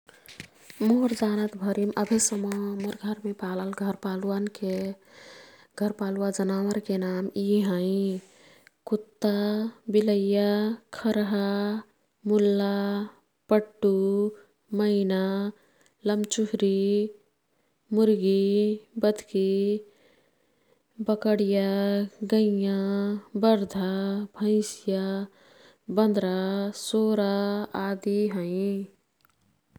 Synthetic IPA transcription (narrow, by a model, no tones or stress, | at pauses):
moɾd͡ʒaːnət̪bʱəɾiməbʱesəmɔməɾɡʱəɾmẽpaːləlɡʱəɾpaːluwanke | ɡʱəɾpaːluad͡ʒənaːwəɾkenaːmiɦãi | kut̪ːabiləjakʰəɾɦa | mulːa | pəʈːu | məɪna | lɐmt͡ʃʊɦɾi | mʊɾɡibəd̪ʱki | bəkəɽijaɡəijãbəɾd̪ʱabʱə̃ɪ̃sja | bə̃nd̪ɾasoːɾaaːd̪iɦəĩ